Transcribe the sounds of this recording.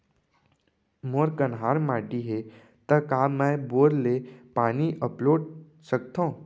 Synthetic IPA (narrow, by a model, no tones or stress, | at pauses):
moɾkənɦaːɾmaːɖiɦe | t̪əkaːmɛ̃boːɾlepaːniʔəploːɖ | sək̚t̪ã